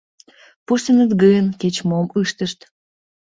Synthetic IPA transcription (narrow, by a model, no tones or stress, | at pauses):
puʃt̪ənət̪ɡəjənket͡ɕmomɨʃt̪əʃt̪